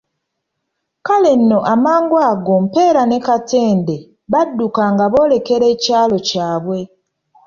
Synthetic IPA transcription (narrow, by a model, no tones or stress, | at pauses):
kale̞nːo̞ʔamaːŋɡwaːɡo̞m̩pe̞ːɾanekate̞ːnde | βadːukaŋɡaβo̞ːle̞ke̞ɾeːcaːlo̞caːβwe̞